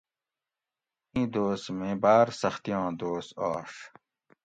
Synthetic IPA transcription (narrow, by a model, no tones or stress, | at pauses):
ĩːd̪oːsmẽːbaːɾsɐxt̪ijɑ̃ːd̪oːst̪aːʂ